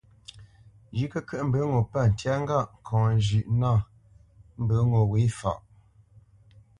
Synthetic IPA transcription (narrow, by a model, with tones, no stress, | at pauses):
d͡ʒi˦kə˦kə˦ʔm̩˦bə˨˦ŋo˨pa˦˨n̩˨tja˦ŋ̩˦ɡa˦˨ʔŋ̩˨kʰɔ̃˨ŋ˨ʒʉ˨ʔna˦˨ | m̩˦bə˨˦ŋo˨we˨˦fa̰˨ʔ